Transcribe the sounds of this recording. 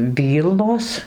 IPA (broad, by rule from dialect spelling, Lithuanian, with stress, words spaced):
ˈʋʲiːlˠnoːs